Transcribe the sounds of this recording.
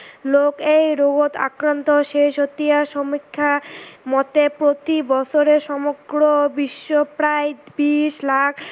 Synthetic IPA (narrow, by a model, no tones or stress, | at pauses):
lokejɾoɡot̪a̰kɾant̪oʃeʃot̪ːiaʃomikʰːamɔt̪epɾot̪ibɔt͡ɕʰoɾeɾʃɔmoɡɾobiʃːopɾaebiʃlakʰ